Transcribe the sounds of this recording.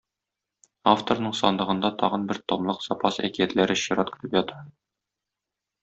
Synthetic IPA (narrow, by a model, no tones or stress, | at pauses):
aft̪oɾnɤɴsɒnd̪ɤ̆ʁɤ̆nd̪ɑt̪ʰɒʁɤ̆nbɘɾt̪omlˠɤqz̥ɒpɑsæ̰kijæt̪læɾɘɕiɾɑt̪kɵ̥̆t̪ɘpjɒt̪ɑ